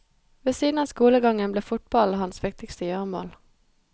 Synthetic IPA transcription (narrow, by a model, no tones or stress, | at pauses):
ʋesiːd̪n̩ɑːskuːləɡɑŋənbleːfʊt̪̚bɑl̩hɑnsʋɪk̚t̪ɪkst̪əjœːʁmo̰ːl